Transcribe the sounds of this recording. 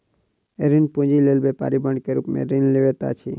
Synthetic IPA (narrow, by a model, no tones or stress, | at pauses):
eɾinpũd͡ʒilelbepa̰ːɾibəɳkeɾṵpmḛɾinleʋet̪a̰t͡ʃʰi